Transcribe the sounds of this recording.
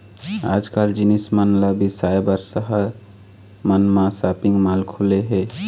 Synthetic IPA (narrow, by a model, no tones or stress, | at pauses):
a̰ːd͡ʒkaːld͡ʒinismənlabisajbəɾsəɦəɾ | mənmãsapiŋɡmalkʰoleɦɛ